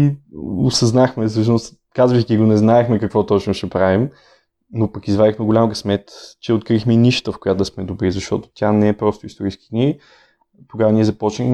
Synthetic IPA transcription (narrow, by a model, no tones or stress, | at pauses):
iʊsɐznaxmɛs̬ɤʃnʊst̪ | kazvixkʲiɡonɛznaɛxmɛkɐkvɔt̪ɔt͡ʃnoʃɛpɾavim | nopɐkizvad̪ixmɛɡʊlʲamɡəsmɛt̪t͡ʃɛot̪̚kɾixmɛiniʃə̥t̪əfkʊjat̪d̪smɛd̪ʊbɾizɐʃt̪ɔt̪ʊ̥t̪ʲjanɛɛpɾɔst̪ʊist̪oɾijskid̪ni | t̪oɡavəniɛzɐpɔt͡ʃnix